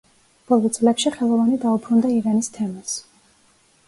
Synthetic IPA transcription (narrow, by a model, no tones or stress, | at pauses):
b̥ɔlˠɔt̪sʼlɛkʃiχɛlˠɔvanid̪aupʰɾund̪aiɾanist̪ʰɛmas